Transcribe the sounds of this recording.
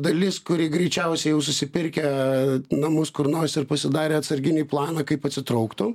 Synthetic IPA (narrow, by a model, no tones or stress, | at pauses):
d̪ɐlʲɪskʊɾʲɪːɡɾʲɛɪt͡ʃʲɛʊsʲɛɪjɛʊs̬ʊsʲɪpʲɪɾʲkʲɛ | nɐmʊskʊɾnoːsʲɪɾpɐsʲɪd̪ɑːɾʲeːɐt̪sɐɾʲɡʲɪnʲiːplˠɑːnɑkɐɪpɐt̪ʲsʲɪt̪ɾɐʊkt̪ʊ